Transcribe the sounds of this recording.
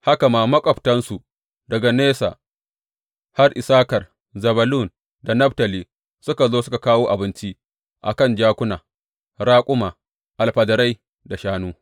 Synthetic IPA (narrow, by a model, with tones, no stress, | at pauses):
ha˦ka˨maː˦˨mɐ˦kʷʼɔ˨ɸtɐ˦nsu˨ | dɐ˨ɡa˨neː˦sa̰ː˨ | ha˦rʔɪ˨saː˦kɐ˨r | zɐ˨bɐ˨lu˦˨n | da˨nɐ˦ɸtɐ˨liː˨ | sʊ˦ka˨zoː˦sʊ˦ka˨kaː˦woː˦ʔa˨bɪ˦nt͡ʃi˦ʔ | ʔa̰˨kɐ˦˨nd͡ʒaː˦kʷʊ˦naː˨ | ɾaː˦kʷʼʊ˦maː˨ | ʔa˨lɸɐ˨dɐ˨ɾa˦j | da˨ʃaː˦nuː˦